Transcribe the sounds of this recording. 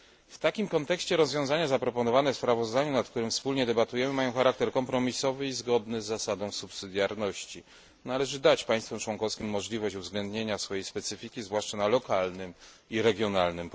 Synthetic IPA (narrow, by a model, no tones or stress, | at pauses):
ft̪akʲimkɔnt̪ɛkɕt͡ɕɛɾɔzvʲjɔ̃zaɲazapɾɔpɔnɔvanɛfspɾavɔzd̪aɲunat̪k̚t̪uɾɘmfspulɲɛd̪ɛbat̪ujɛmɘmajɔ̃w̃xaɾak̚t̪ɛɾkɔmpɾɔmʲisɔvɘizɡɔd̪nɘzːasad̪ɔ̃w̃supsɘd̪ʲjaɾnɔɕt͡ɕi | nalɛʐɘd̪at͡ɕpaj̃st̪fɛmt͡ʂwɔŋkɔfskʲimːɔʐlʲivɔɕt͡ɕuvzɡlɛnd̪ɲeɲasfɔjejspɛt̪sɘfʲikʲizvwaʂt͡ʂanalɔkalnɘmiɾɛɡʲjɔnalnɘm